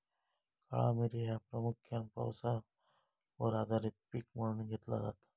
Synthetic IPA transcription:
ka̰ɭa̰meɾiɦapɾəmukʰːjanpa̰wsa | oɾad̪aɾit̪̚pikməɽɳiɡʱet̪la̰za̰t̪ḁ

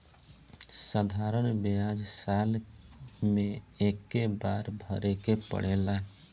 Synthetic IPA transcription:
səd̪ʱaːɾənbeaːd͡ʒsaːl | mẽeːkːebaːɾbʱəɾekepə̰ɽ̤eːlaɦ

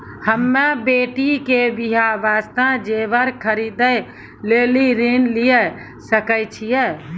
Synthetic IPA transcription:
həmːebeʈikebiɦabast̪ad͡ʒebəɾkʰəɾid̪əj | leliɾinlijɛ | səkəjt͡ʃʰijɛ

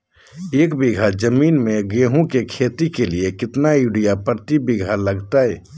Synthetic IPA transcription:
eːkbiɡʱad͡ʒəmiːnmeɡeɦũkekʰet̪ikeliekɪt̪nauɽijapɾt̪ibɪɡʱaləɡt̪aɦɛ

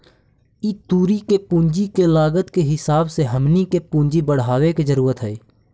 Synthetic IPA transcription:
iːt̪uːɾikepũːɲd͡ʒikelaːɡət̪keɦɪsaːbseɦəmnikepũːɲd͡ʒibəɽ̤aːʋekezəɾuːɾət̪ɦɛː

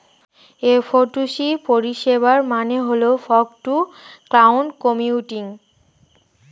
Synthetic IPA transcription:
efʰoʈusipoɹiʃebaɹmaneɦoleofʰɔkʈuklawnkɔmiuʈiŋ

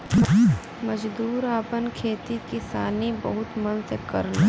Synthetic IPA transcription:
mɐd͡ʒd̪uːɾaːpənkʰeːt̪ikɪsaːnibɐ̰ɦʊt̪mɐnsekɐ̰ɾən

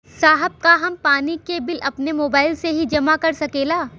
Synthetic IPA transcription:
saːɦəb̚kaɦɐmpaːnikebɪlʔɐpnemoːbaːɪlseɦid͡ʒɐmakɐɾsɐkeːlaː

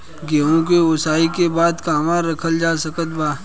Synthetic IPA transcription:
ɡeːɦõkeʊsaːikebaːd̪kaːmaɾɐkʰəld͡ʒaːsəkət̪̚baː

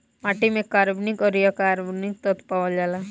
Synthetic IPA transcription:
maʈimẽkaɾbnikɔɾijakaɾbnik̚t̪ɔt̪paʋɔld͡ʒala

